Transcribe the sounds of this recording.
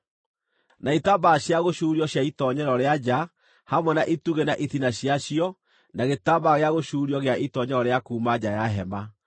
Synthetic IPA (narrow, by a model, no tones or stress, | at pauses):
naitabaɕjaɣoɕuːɾiɔɕjaitɔɲɛɾɔɾead͡ʑa | hamwɛnaʔituɣenaʔiθinaɕjaɕiɔ | naɣetabaɣeaɣoɕuɾiɔɣeaʔitɔɲɛɾɔɾeakuːmad͡ʑajaɦɛma